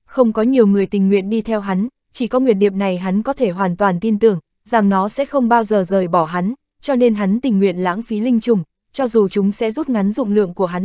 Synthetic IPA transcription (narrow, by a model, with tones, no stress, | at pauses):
xə˧wŋ͡mkɔ˨˦ɲi˨˩əwŋɨ˨˩əjt̪ï˨˩ŋ̟ŋwḭ˧˨ənɗi˧t̪ʰɛ˧wɦa˨˦n | t͡ɕi˧˩kɔ˨˦ŋwi˨˩ət̚ɗi˨˩əm̚na˨˩jɦa˨˦nkɔ˨˦t̪ʰe˧˩ɦwaː˨˩nt̪waː˨˩nt̪i˧nt̪ɨ˨˩əŋ | za˨˩ŋnɔ˨˦sɛ̰˧˥xə˧wŋ͡mɓaː˧wzəː˨˩zəː˨˩jɓɔ˧˩ɦa˨˦n | t͡ɕɔ˧ne˧nɦa˨˦nt̪ï˨˩ŋ̟ːwḭ˧˨ənla̰ː˧˥ŋfi˨˦lï˧ŋ̟t͡ɕʊ˨˩ŋ͡m | t͡ɕɔ˧zu˨˩t͡ɕʊ˨˦ŋ͡msɛ̰˧˥zu˦˥t̚ŋa˨˦nzʊ̰˧˨ŋ͡mlɨ̰˧˨əŋku˧˩əɦa˨˦n